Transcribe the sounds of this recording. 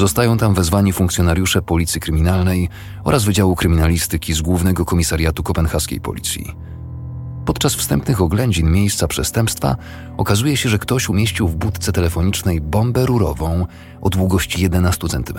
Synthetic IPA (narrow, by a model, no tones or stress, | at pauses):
zɔst̪ajɔ̃w̃t̪amvɛzvaɲifuŋkt̪sʲjɔnaɾʲjuʂɛpɔlʲit̪sjikɾɘmʲinalnɛj | ɔ̰ɾʔazvɘd͡ʑawukɾɘmʲinalʲist̪ɘkʲizɡwuvnɛɡɔkɔmʲisaɾʲjat̪ukɔpɛnxaskʲḛjpɔ̰lʲḭt̪sʲjḭ | pɔt̪t͡ʂasfst̪ɛmpnɘxɔɡlɛɲd͡ʑinmʲjejst̪sapʂɛst̪ɛmpst̪fa̰ | ɔkazujɛɕɛʐɛkt̪ɔɕumʲjeɕt͡ɕiwvbut̪t̪sɛt̪ɛlɛfɔɲit͡ʂnɛjbɔmbɛɾuɾɔ̰vɔ̃w̃ | ɔ̰d̪wuɡɔɕt͡ɕijɛd̪ɛnast̪ut̪sɛnt̪ɘm